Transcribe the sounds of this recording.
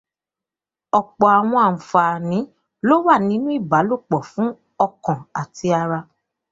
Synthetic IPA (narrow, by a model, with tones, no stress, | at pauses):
ɔ˨k͡pɔ˨a˨w̃ɔ̃˧a˨m̩˨fa˨nĩ˨˦ | lo˦wa˦˨nĩ˨˦nũ˦i˦˨ba˨˦lo˦˨k͡pɔ˨fũ˨˦ | ɔ˧kɔ̃˨a˨ti˧a˧ɾa˧